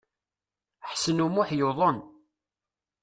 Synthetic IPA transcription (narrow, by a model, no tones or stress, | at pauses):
ħsənumʊħjoðˤən